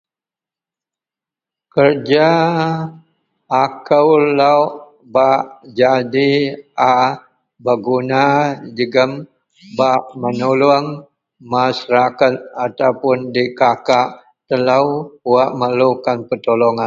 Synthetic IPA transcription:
kərd͡ʒa | kəwlaw | baʔd͡ʒadia | bəɡunad͡ʒəɡəm | baʔmənuluaŋ | masɾakat̪̚at̪awpʊndikakaʔ | t̪əlawuaʔməlukanpət̪olɔŋan

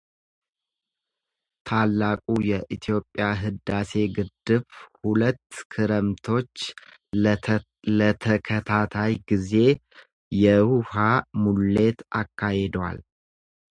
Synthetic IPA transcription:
t̪ʰalːakʼujɛʔit̪ʰijo̞pʼːjaɦɨd̪ase̞ɡɨd̪ːɨβhulət̪ːkʰɨɾəmt̪ʰo̞t͡ʃː | lət̪ʰəkʰət̪ʰat̪ʰajɡize̞ | jɛhuhamulːe̞t̪a̰kːahed̪wa̰l

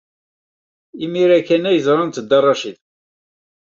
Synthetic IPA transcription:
imiɾækːænæjəzɾˤɑnt̪əd̪ːɑrˤːɑʃið

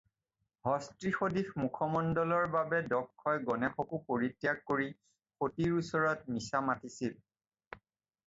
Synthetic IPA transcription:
hɔstɹixodixmukʰɔmɔndɔlɔɹbabɛdɔkʰːɔjɡɔnɛxɔkupoɹitːjak̚koɹi | xotiɹusɔɹɔtmisamatisil

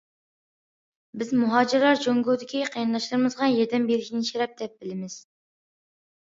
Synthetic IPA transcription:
bɪzmuɦɑːd͡ʒɪɾlˠɑɾd͡ʒoŋɡud̪ɪkʲʰiqʰejɑnd̪ɑʃlˠɨɾmɨzʁɑjɛɾd̪ɛmbeɾɪkʲnɪt͡ʃʰeɾɛp̚d̪ɛp̚bɪlɪmɪz̥

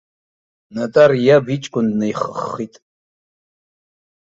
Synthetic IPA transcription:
natʼarjabit͡ʃʼkʷʼʊndnajχəχːitʼ

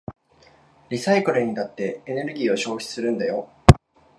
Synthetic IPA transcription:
ɾʲisaikɯ̟ɾɯ̟ɲ̟inat̪ːe̞ːne̞ɾɯ̟ɡʲiːo̞ɕo̞ːɕʲi̥sɨɾɯ̟̃nd̪ajo̞

